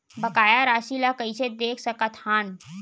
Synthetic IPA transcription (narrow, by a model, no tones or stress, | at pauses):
bɐkaːjaɾaːʃilakɐised̪eːkʰsɐkat̪haːn